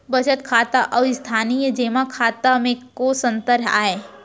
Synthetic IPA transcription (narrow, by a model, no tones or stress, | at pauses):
bɐt͡ʃət̪kʰaːt̪aʔɔːɪst̪ʰaːnijd͡ʒeːmakʰaːt̪amẽkoːsə̃nt̪əɾɦa̰ːeː